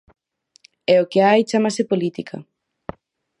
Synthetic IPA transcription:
ɛokeajt͡ʃamasepolit̪ikʰɐ̰

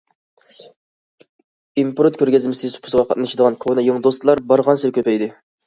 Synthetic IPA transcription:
impɾot̪̚kʲʰøɾɡʲɪzmɪsɪsu̥pʰʊ̥sʁɑqʰɑ̰t̪̚nɨʃid̪əʁɑnkʰonɨjoŋd̪ost̪lˠɑɾbɑɾʁɑnsɨlkʲʰøpɛjd̪ɪ

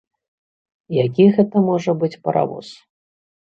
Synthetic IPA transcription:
jakʲiɣɛt̪ɐmɔʐɐbɨt͡sʲpɐɾʔa̰vɔ̰s

